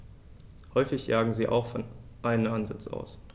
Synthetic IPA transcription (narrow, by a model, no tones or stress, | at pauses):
hɔʏfɪçjaːɡŋ̩ziːʔa̰ʊxfɔnʔaɪnənʔanzɪ̰t͡sʔa̰ʊs